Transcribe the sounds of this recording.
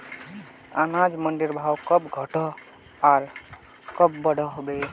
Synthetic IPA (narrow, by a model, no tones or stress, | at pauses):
anad͡ʒməɳɖiɾbʱawkəpɡʱəʈɔ | aɾ | kəpbəɽ̤ɔɦobe